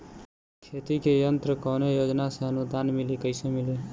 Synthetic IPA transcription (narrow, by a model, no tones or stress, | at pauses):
kʰet̪ikejənt̪ɾəkəwnejod͡ʒnasẽənud̪anmilikəɪsemili